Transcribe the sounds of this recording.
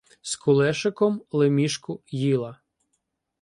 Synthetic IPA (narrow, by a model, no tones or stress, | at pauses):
skʰʊlˠɛʃɪkɔmlˠemʲiʃkʊjilˠɐ